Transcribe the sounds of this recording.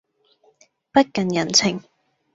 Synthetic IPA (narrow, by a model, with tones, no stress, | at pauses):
pɐ˥t̚kɐ˨njɐ˨˩nt͡sʰɪ˨˩ŋ